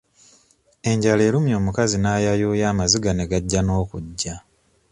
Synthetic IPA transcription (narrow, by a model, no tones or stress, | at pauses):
e̞ɲɟale̞ːlumjo̞ːmukazinaːjajoːjaːmaziɡane̞ɡaɟːano̞ːkuɟːa